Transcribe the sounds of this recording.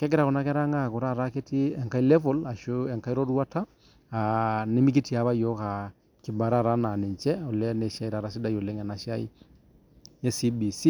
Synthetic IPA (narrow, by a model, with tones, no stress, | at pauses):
kɛ˦ɡɪɾa˨kʊ˨na˨kɛ˦ɾa˦ŋa˦˨kʊ˨ɾa˦˨ɾa˦ke˦ti˦ɛ˨ŋka˦i˦lɛ˦vɔ˦la˨ʃu˦ɛ˨ŋka˦i˦ɾɔ˦ɾu˦a˦taː˦˨ | nɪ˦mi˦ki˦ti˨a˨βa˦jɔ˦ka˨ | kɪ˨ba˨ɾa˦˨ɾa˦na˨nɪ˨ɲt͡ʃɛ˦ɔ˨lɛ˦nɛ˨ʃa˦i˦ɾa˨ɾa˦si˦da˦jo˨lɛ˦ŋɛ˨na˨ʃa˦i˦ | ɛ˦si˦bi˨si˦